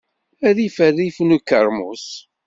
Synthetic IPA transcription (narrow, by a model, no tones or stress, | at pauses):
æðifæðifnukːəɾˤmṵs